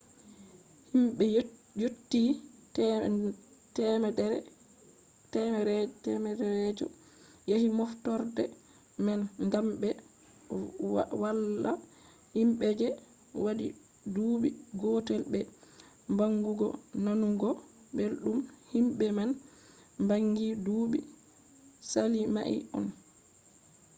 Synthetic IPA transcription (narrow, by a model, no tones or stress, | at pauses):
himɓɛjotːit | tɛmɛdɛɾ | tɛmɛɾɛtɛmɛdɛɾɛd͡ʒɔ̰ | jahimɔftɔɾdɛ̰ | mɛnŋɡamɓɛ | walːa | himɓɛd͡ʒɛ | wadḭ | duːɓiɡɔtɛlɓɛ | mbaŋɡuɡɔ̰nanuɡɔ | belɗumhimɓɛman | mbaŋɡiduɓi | salima̰ʔḭɔ̰n